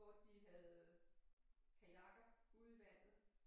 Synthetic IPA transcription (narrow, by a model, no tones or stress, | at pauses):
ɒd̥iɦæðˠ | kʰæjɑ̈ɡ̥ɐuð̩ˠiʋæn̰ð̩ˠ